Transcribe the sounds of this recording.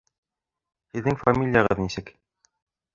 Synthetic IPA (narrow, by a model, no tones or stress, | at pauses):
hɘ̆ðːɘŋfamʲilʲjɑʁɤðnisɘk